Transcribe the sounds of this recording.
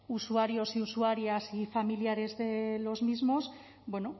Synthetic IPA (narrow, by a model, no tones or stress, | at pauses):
usuaɾjo̞siusuaɾjasifamiljaɾe̞zðe̞lo̞zmizmo̞s | bwe̞no